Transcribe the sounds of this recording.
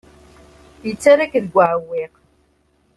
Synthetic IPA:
jət͡sːaɾakðɡʷaʕəwːiq

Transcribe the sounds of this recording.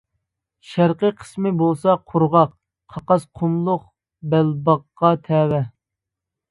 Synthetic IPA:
ʃæɾqiəqʰə̥smɪbolˠsɑqʰʊɾʁɑq | qʰɑqɑsqʰʊmlˠʊq | bælbɑqːɑt̪ʰɛːwɛ

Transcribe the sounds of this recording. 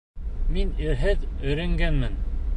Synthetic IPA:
miniɾɦɘðɵ̆jɾæ̆ŋɡænmɘn

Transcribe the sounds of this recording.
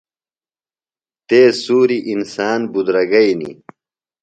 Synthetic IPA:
t̪eːsuːɾiʔinsaːnbud̪ɾɐɡɐjnḭ

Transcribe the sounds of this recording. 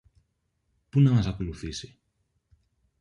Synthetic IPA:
punamazakuluθisi

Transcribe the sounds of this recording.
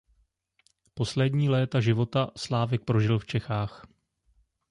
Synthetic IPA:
po̞slɛdɲiːlɛːt̪aʒɪvo̞t̪aslaːvɛk̚pɾo̞ʒɪlft͡ʃɛxaːx

